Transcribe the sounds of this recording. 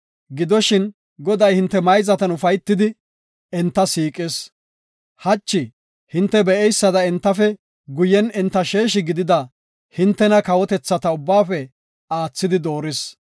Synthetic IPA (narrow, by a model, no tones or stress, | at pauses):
ɡɪd̪ɔʃɪn | ɡɔd̪ɐjhɪnt̪ːɛmɐjzɐt̪ɐnʊfɐjt̪ːɪd̪ɪ | ɛnt̪ːɐsiːkʼes | hɐt͡ʃːɪ | hɪnt̪ːɛbɛʔɛjsːɐd̪ɐɛnt̪ːɐfɛ | ɡʊjɛnɪnt̪ːɐʃe̞ːʃɪɡɪd̪ɪd̪ɐ | hɪnt̪ːɛnɐkɐwɔt̪ɛt͡sːɐt̪ɐʊbːaːfɛ | aːt͡sːɪd̪ɪd̪o̞ːɾɪs